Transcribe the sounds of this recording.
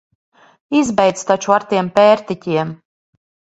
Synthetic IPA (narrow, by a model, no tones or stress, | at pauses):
izbɛjd̪st̪at͡ʃuaɾt̪iɛmpʲɛːɾt̪it̪ʲiɛm